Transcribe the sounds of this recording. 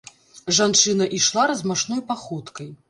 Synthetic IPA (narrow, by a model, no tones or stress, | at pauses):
ʐant͡ʂɨnɐʔiʂlˠaɾɐzmaʂnɔjpaxut̪kɐj